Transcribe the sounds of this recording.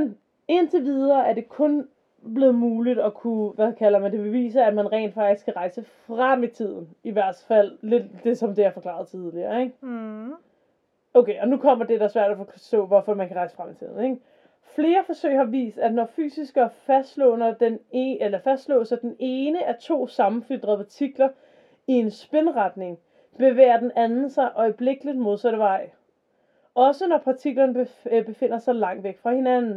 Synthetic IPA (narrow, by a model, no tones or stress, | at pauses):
mn | e̝nt͡sʰeʋið̞ˠɐːʔæɐde̝kʰɔ̽n | b̥le̝ːð̩ˠmuːlid̥ɒ̽kʰuʋækʰæl̰ɐmænd̥e̝be̝ʋḭːsɐæd̥mænʁɛḛːnd̥fɑ̈ɡ̥d̥isɡkʰæʁɑ̈ɪsəfʁam̰it͡sʰið̰ˠn̩iʋæɐ̰d̥fæl̰ːe̝d̥d̥e̝sɒ̽md̥e̝æɐfɒ̽kʰlɑ̰̈ð̞̩ˠt͡sʰið̞ˠliɐeɡ̥ | oʊkʰeːʔɒ̽nukʰɒ̽m̰ɐd̥e̝ɾ̥ɑsʋæɐ̰d̥æfɒsd̥ɔ̰̽ːʋɒfɒmænkʰæʁɑ̈ɪsə̥fʁam̰it͡sʰið̞̰ˠn̩eɡ̥ | fle̝ːɐfɒ̽sø̰ːɪhɑ̈ʋḭːsd̥æd̥nɒfy̰ːsisɡ̥ɐfæsd̥lɔ̰̽ːnɐd̥enelɐfæsd̥slɔ̰̽ːsɑ̈ɪd̥ene̝ːnəʔæɐt͡sʰo̝̰ːsɑ̈mm̩fyd̥ʁɐðˠpʰɑ̈t͡sʰiɡ̥lɐ | ie̝nsb̥e̝nʁɑ̈d̥ne̝ŋ | b̥e̝ʋḛːɐd̥enʔænn̩sɑ̈ɪʔɒ̽ɪb̥le̝ɡ̥əlid̥mo̝ð̞ˠsæɾəʋɑ̈ɪ̰ | ʔɒ̽sənɒpʰɑ̈t͡sʰiɡ̥lɐnəbeb̥e̝fe̝n̰ɐsɑ̈ɪlɑ̈ŋ̰d̥ʋeɡ̥fʁɑ̈he̝nænn̩